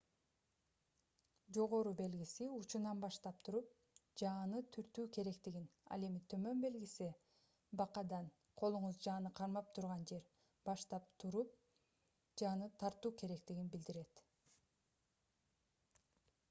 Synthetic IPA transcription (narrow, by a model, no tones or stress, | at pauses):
d͡ʒo̞ʁo̞ɾube̞lɡisiut͡ʃunɑnbɑʃt̪ɑp̚t̪ʰuɾup̚ | d͡ʒɑːnɯt̪ʰyɾt̪yːke̞ɾe̞kt̪iɡinɑ̰lˠe̞mit̪ʰø̞mø̞nbe̞lɡisi | bɑqɑd̪ɑn | qʰo̞lˠuɴuzd͡ʒɑːnɯqʰɑɾmɑp̚t̪ʰuɾʁɑnd͡ʒe̞ɾ | b̥ɑʃt̪ɑp̚t̪ʰuɾup̚ | d͡ʒɑːnɯt̪ʰɑɾt̪uːkʰe̞ɾe̞kt̪iɡinbild̪iɾe̞t̪